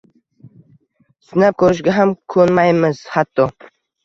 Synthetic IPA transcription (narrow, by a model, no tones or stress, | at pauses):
sɪnap̚kʰɵɾɪʃ̬ɡʲaɦamkʰɵnmajmɪz̥hat̪ʰːɒ